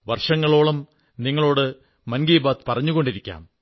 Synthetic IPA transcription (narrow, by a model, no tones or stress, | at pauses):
ʋɐrʂɐŋːɐɭo̞ːɭɐm | niŋːɐɭo̞ːɽɨ | mɐnɡiːbaːt̪pɐrɐɲːuɣo̞ɳɖiɾikʲːa̰ːm